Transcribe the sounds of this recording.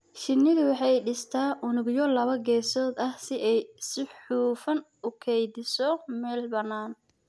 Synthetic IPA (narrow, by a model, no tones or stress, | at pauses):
ʃɪnːɪɣɐwɑħɑjɖɪst̪ʰaːʔʊnʊɡjɔlɐβɐɡɛːsɔːd̪ɐhsɪʔɛjsɪħuːfɐn | ʊkʰɛjdɪsɔmɛːlbɐnaːn